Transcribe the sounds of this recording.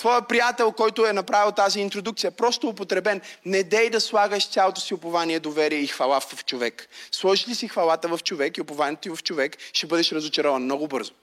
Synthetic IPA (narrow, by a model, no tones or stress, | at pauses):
t̪vɔjɐpɾijat̪ɛlˠkɔjt̪ʊɛnɐpɾavilˠt̪aziːnt̪ɾod̪uk̚t̪sijɐɛpɾɔst̪oopot̪ɾɛbɛnnɛd̪ɛjd̪ɐslˠaɡəʃt̪sʲalˠot̪o̥siʊpɐvaniɛd̪ovɛɾiɛixvɐlˠaft͡ʃovɛkslˠɔʒilisixvɐlˠat̪əvɐft͡ʃovɛkiʊpovanʲiɛt̪oivɐft͡ʃovɛkʃɛbɤd̪ɛʃɾɐzot͡ʃɛɾɔvənmnɔɡʊbɤ̰ɾzʊ